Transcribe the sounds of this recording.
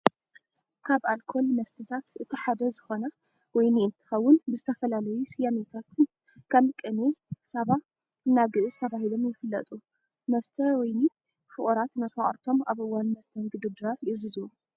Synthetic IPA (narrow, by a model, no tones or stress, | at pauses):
kʰaβalkʰo̞lmɐst̪ʰɐt̪ʰat̪ɨt̪ʰiħad̪ɐzɨxo̞nɐ | wɔjniɨnt̪ʰɨ̥xɐwːʊnbɨzɨt̪ʰɐfɐlalɐjusijamet̪ʰat̪ʰɨn | kʰɐmkʼɨnesaβa | ɨnːaɡɨʔɨzɨt̪ʰɐβaɦilo̞mjɪfɨlːɐ̰t̪ʼu | mɐst̪ʰɐwɔjni | fɨχʼuɾat̪nɐfɐχʼɾt̪ʰo̞ma̰βʔɨwːanmɐst̪ʰɐnɡɨd̪ud̪ɨɾaɾjɪzɨzuu